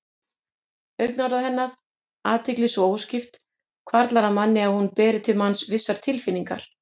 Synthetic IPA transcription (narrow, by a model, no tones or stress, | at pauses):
œɥknaɾaðhɛnːað | aːt̪ʰɪklisoːwscɪft̪ | kʰvaɾt̪laɾaðmanːɪaðhunpɛːɾɪt̪ʰɪlmansvɪsːaɾ̥t̪ʰɪlfɪniŋka̰ɾ̥